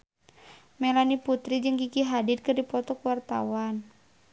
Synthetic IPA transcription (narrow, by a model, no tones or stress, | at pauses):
mɛlaniput̪ɾid͡ʒɨŋɡikiɦadid̪̚kɨrdipɔt̪ɔkuwart̪a̰wan